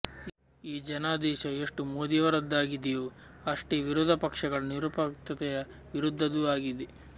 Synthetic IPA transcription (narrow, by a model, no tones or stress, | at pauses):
iːd͡ʒɐnaːd̪ɛːʃɐeʂʈumoːd̪ijɐʋɐɾɐd̪ːaːɡid̪ejoːɐʂʈeʋiɾɔːd̪ʱɐpɐkʂɐɡɐɭɐniɾuːpɐkt̪ɐt̪ɛjɐ | ʋiɾud̪ʱːɐd̪uaːɡid̪e